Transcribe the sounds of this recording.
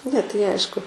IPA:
nʲɛ tɐɪ ˈɐɪʃkʊ

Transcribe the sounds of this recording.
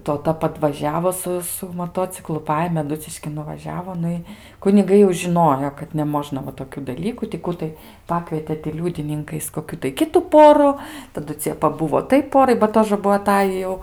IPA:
toːˈtɐ pɐdʋɐˈʒʲæːʋoː ˈsʊ sʊ moːˈtoːt͡sʲɪklˠʊ ˈpɑːjeːmʲeː ɐˈdʊt͡sʲɪʃʲkʲɪn nʊʋɐˈʒʲæːʋoː ˈnʊ ɪ kʊnʲɪˈɡɐɪ jɛʊ ʒʲɪˈnoːjoː kɐt nʲɛˈmoːʒnɐ ʋɐ toːˈkʲuː dɐˈlʲiːkuː tʲɪ ˈkuː tɐɪ ˈpɑːkʋʲiɛtʲeː tʲɪ ˈlʲuːdʲɪnʲɪŋkɐɪs koːˈkʲuː tɐɪ ˈkʲɪtʊ ˈpoːrʊ tɐˈdʊ ˈt͡sʲiɛ pɐˈbʊʋoː ˈtɐɪ ˈpoːrɐɪ bɐ ˈtoːʒə ˈbuɔ ɐˈtɑːjiː jɛʊ

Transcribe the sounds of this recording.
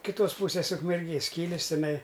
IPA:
kʲɪˈtoːs ˈpuːsʲeːs ʊkmʲɛrʲˈɡʲeːs ˈkʲiːlʲeːs tʲɪˈnɐɪ

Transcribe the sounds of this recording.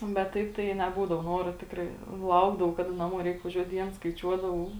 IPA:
bʲɛt ˈtɐɪp tɐɪ nʲɛˈbuːdɐʋoː ˈnoːroː ˈtʲɪkrɐɪ ˈlˠɐʊɡdɐʋɐʊ ˈkɑːˌdɐ nɐˈmuɔ ˈrʲɛɪk ʋɐˈʒʲuɔt ˈdʲiɛns skɐɪˈt͡ʃʲuɔdɐʋɐʊ

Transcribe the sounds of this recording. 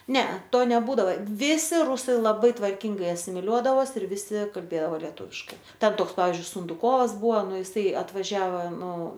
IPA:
ˈnʲɛɐ ˈtoː nʲɛˈbuːdɐʋɐ ˈʋʲɪsʲɪ ˈrʊsɐɪ lˠɐˈbɐɪ tʋɐrʲˈkʲɪŋɡɐɪ ɐsʲɪmʲɪˈlʲuɔdɐʋoːs ɪr ʋʲɪˈsʲɪ kɐlʲˈbʲeːdɐoː lʲɛˈtuːʋʲɪʃkɐɪ ˈtʲɛn ˈtoːks ˈpɑːʋʲɪzʲd͡ʒʲʊɪ sʊndʊˈkoːʋɐs ˈbʊʋɐ ˈnʊ jɪˈsɐɪ ɐtʋɐˈʒʲæːʋɐ ˈnʊ

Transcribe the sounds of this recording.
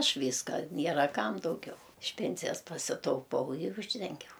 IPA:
ˈɐʃ ˈʋʲiːskɐ ˈnʲiɛrɐ ˈkɐm dɐʊˈɡʲɛʊ ɪʃ ˈpʲɛnʲsʲɪjɛs pɐsʲɪtɐʊˈpɐʊ ɪr ˈuːʒʲdʲɛŋʲɡʲɛʊ

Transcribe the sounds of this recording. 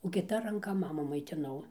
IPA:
oː kʲɪˈtɐ rɐŋˈkɐ ˈmɑːmuː mɐɪtʲɪˈnɐʊ

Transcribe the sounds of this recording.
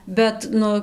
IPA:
ˈbʲɛt ˈnʊ

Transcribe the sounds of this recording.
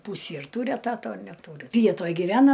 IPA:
ˈpuːsʲiː ɪr ˈtuːrʲɪ ɛˈtɑːtoː ɐ nʲɛˈtuːrʲɪ ˈʋʲiɛtoːj ɡʲɪˈʋʲæːnɐ

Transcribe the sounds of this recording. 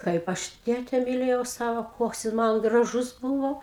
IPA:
ˈkɐɪp ɐʃ ˈtʲeːtʲɛ mʲɪˈlʲeːjɛʊ ˈsɑːʋoː ˈkoːks jɪs ˈmɐn ɡrɐˈʒʊs ˈbuːʋoː

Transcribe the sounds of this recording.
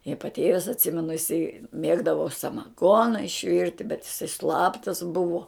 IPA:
ɪ pɐˈtʲeːʋʲɪs ɐtʲˈsʲɪmʲɛnʊ ɪˈsɐɪ ˈmʲeːɡdɐʋoː sɐmɐˈɡoːnɐ ɪʃʲˈʋʲɪrʲtʲɪ bʲɛt ɪˈsɐɪ ˈslˠɑːptɐs ˈbʊʋoː

